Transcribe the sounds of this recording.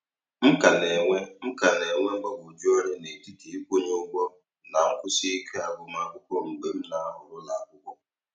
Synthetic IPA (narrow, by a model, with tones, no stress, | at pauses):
m̩˦ka˨ne˨ŋʷe˦m̩˦ka˨ne˨ŋʷe˦ŋ͡m̩˦ɡ͡ba˦bʊ˨d͡ʒo˦ɾe˦ne˨ti˦ti˨˦i˦kʷo˦ɲe˦ʊ˦ɡ͡bʷɔ˦ | na˨ŋ̩˦kʷʊ˦si˦i˦kʰe˦a˨bʊ˦ma˦˨kʷʊ˦kʷɔ˦ŋ͡m̩˨ɡ͡be˦m̩˦na˨a˦ɦʊ˨ɾʊ˦la˨a˨kʷʊ˦kʷɔ˦